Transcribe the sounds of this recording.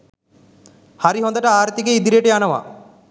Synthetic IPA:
haɾiɦɔnd̪aʈaaːɾt̪iɡeid̪iɾejeʈeanɐʋa̰

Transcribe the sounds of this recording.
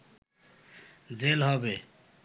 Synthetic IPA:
d͡zelɦɔbe

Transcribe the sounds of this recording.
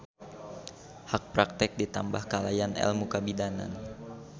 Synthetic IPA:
hak̚pɾak̚t̪ɪk̚dit̪ambahkalajanɛ̰lmukabidana̰n

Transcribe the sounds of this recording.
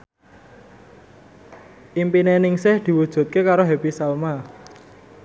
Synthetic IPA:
ʔimpinenɪŋsɪhd̪̥i̤wud̥ʒ̥ṳt̪̚kekaɾoɦepisalma

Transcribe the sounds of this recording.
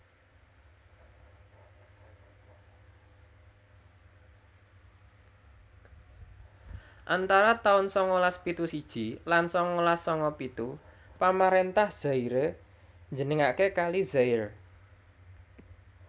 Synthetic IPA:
ʔant̪aɾat̪aʊnsɔŋolaspit̪usid̥ʒ̥i̤lansɔŋɔlasːɔŋɔpit̪u | pamaɾent̪ahz̥aiɾe | ɲd͡ʒənəŋakekalizaɪr

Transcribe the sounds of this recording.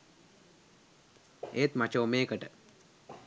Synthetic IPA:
eːt̪mat͡ʃoomeːkəʈə

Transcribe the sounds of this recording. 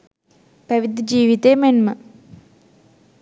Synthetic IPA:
pɐʋid̪ʱd͡ʑiːʋit̪eːmenmɨ

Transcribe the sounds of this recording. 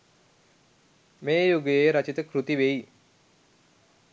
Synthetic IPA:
meːjuɡejeɾat͡ʃit̪əkɾut̪iʋeji

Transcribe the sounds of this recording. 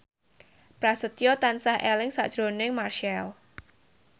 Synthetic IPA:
pɾasət̪jot̪ansahʔɛlɪŋsa̰ʔd̥ʒ̥ɾo̤nɪŋmarʃɛl

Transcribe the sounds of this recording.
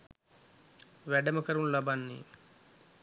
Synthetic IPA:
ʋɛɖɐmɐkɐɾunlɐbɐnːḭ

